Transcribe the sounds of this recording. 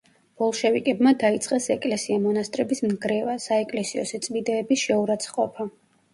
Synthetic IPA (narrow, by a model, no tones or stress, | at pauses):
b̥ɔlˠʃɛvikʼɛbmad̪ait̪sʼqʼɛsɛkʼlɛsiamɔnast̪ʼɾɛbismnɡɾɛvasaɛkʼlɛsiɔ̰sɛt̪sʼmid̪ɛːbisʃɛuɾat̪sʰχqʼɔpʰa